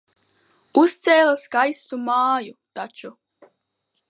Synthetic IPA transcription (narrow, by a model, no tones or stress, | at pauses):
ust̪seːlasɡajst̪umaːjut̪at͡ʃu